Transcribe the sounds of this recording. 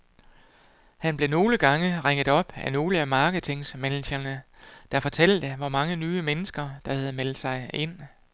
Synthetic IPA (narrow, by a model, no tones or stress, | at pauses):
hænb̥le̝no̝ːləɡ̥ɑ̈ŋəʁeŋ̰ð̩ˠɒ̽b̥æno̝ːləæmɑ̈ːɡ̥əð̩ˠt͡sʰe̝ŋsmænɕɐnə | d̥ɑ̈fɒ̽t͡sʰæl̰d̥əʋɒmɑ̈ŋənyːəmenəsɡ̥ɐd̥ɑ̈hæð̞̩ˠmel̰d̥sɑ̈ɪe̝n̰